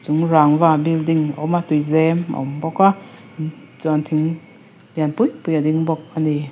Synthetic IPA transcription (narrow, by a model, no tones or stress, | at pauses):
zuŋɾaŋvabildiŋɔ̰matujzɛmɔ̰mbɔka | zant̪ʰiŋ | bjanpujpujadiŋbɔk̚ani